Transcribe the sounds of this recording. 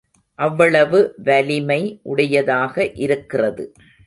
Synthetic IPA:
ʔɐʋːɐɭɐʋɯʋɐlɪmɐɪʔʊɽɐjɐðaːɣɐʔɪɾɯkːɪrɐðɯ

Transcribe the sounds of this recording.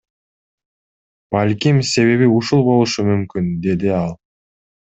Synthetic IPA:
b̥alʲkimse̞βe̞βiuʃulˠbo̞lˠuʃumymkynd̪e̞d̪iɑlˠ

